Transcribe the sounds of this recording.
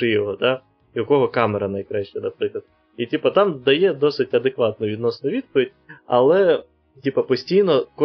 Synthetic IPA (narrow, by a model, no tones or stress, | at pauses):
ɪjɔɦɔd̪ɑ | jɐkɔɦɔkɑmeɾɐnɐjkɾaʃt͡ʃɛnɐpɾɪklˠɐd̪ | itʲipɐt̪ɑmd̪ɐjɛd̪ɔsɪtʲɐd̪ekʋɑt̪̚nʊʋʲid̪nɔsnʊʋʲid̪̚pɔʋʲidʲɐ̰lˠɛ | tʲipɐpɔsʲtʲijnɔkɔ